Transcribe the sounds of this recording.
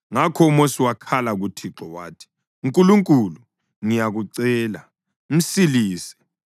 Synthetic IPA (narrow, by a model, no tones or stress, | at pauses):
ŋakʰɔumosiwakʰalaɣutʰiǁɔwaːtʰi̥ | uŋkʼuluŋkʼulu | ŋijaɣuǀɛːla | m̩siliːsɛ̥